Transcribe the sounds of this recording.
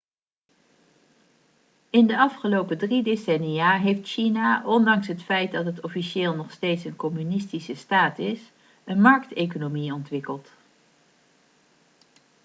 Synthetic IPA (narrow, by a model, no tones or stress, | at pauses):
ɪndəɑfχəlowpədridesɛniaːɦejftʃinaʔɔndɑŋsɦətfɛjtdɑtɦətɔfiʃɪːlˠnɔχstejtsənkɔmynɪstisəstaːtɪs | ənmɑɹktejkonomiɔntʋɪkəlˠt